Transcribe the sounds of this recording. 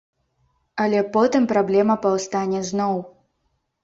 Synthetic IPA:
ɐlʲɛpɔt̪ɨmpɾablʲɛmɐpɐwst̪anʲɛznɔw

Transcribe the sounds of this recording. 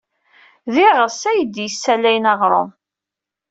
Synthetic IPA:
ðiʁəsæjəd̪jəsːælæjnɑʁɾˤo̰m

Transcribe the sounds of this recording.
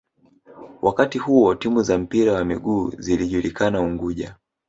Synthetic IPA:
wʔakatihuwɔtimuzam̩piɾawamiɠuːziliʄulikanauŋɡuʄa

